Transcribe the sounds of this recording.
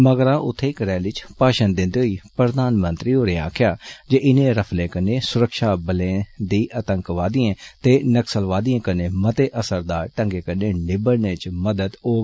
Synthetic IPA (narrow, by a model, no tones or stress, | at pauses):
məɡɾãːʔʊt̪ʰːeːkɾɛːlɪt͡ʃpaːʃənd̪ɪ̃nd̪eːɦoiːpɾəd̪aːnmə̃nt̪ɾiːɦoːɾeːa̰ːkʰɪjaːd͡ʒeːʔɪnẽːɾəpʰleːkəneːsʊɾəkʃaːbəlẽːd̪iːʔət̪ə̃ŋkʋaːd̪iːẽːt̪eːnəksəlʋaːd̪iẽːkəneːmət̪eːʔəsəɾd̪aːɾʈə̃ŋɡeːkəneːnɪbəɽneːt͡ʃməd̪əd̪oː